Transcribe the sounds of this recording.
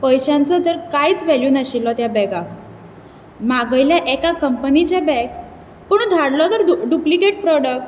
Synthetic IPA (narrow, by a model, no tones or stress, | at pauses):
pəjɕant͡sɔt̪əɾkajt͡sʋɛljunəɕilːɔt̪jabɛɡak | maɡəjljaʔɛkakəmpənit͡ɕabɛk̚ | pəɳ̃d̪ʱaɽlɔt̪əɾɖuplikeʈ̚pɾɔɽək̚ʈ